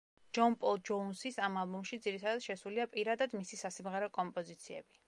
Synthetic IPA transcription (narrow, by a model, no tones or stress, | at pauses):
d͡ʒɔnpʼɔlˠd͡ʒɔunsisamalˠbumʃid̪ziɾit̪ʰad̪ad̪̥ʃɛsuliapʼiɾad̪ad̪misisasimʁɛɾɛkʼɔmpʼɔzit̪sʰiɛ̰bi